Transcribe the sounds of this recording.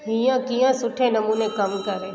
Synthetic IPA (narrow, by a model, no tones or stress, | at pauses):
ɦɪ̃jãkijãsʊʈʰːenɐmuːnekəmkəɾẽː